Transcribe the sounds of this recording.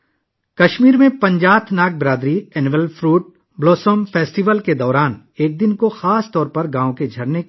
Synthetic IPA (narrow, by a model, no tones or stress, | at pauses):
kɐʃmiːɾmẽpɐ̃ɲd͡ʒaːt̪ʰnaːk̚bɾaːd̪ɾiɛːnʋəlfɾuːʈ̚ | bloːsomfʰɛːsʈiʋəlked̪ɔːɾaːn | eːk̚d̪ɪnkoxaːst̪ɔːɾpɐɾɡãːõked͡ʒʱɐɾne